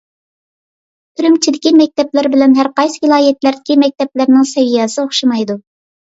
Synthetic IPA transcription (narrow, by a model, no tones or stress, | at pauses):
t̪ʰylymt͡ʃʰid̪ɪkʲimɛk̚ʲt̪ʰɛplɪɾbɪlɛnɦæɾqɑjsvɨlˠɑːjɛt̪læɾd̪ɪkʲimɛk̚ʲt̪ɛp̚lɪɾnɪŋsɛvijɑsɨoχʃɑmɑjd̪u